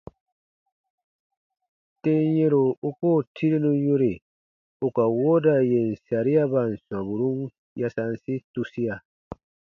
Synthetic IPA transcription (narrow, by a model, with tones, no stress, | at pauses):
te˦je˦ɾo˨u˦ko˦˨tʰi˦ɾi˦nũ˦ju˦ɾi˨ | u˨ka˨wo˦da˨je˨n̩˨sa˨ɾi˦a˦ba˨n̩˨swã˨bu˨ɾũ˦n | ja˦sa˦n˦si˦tu˦si˦a˨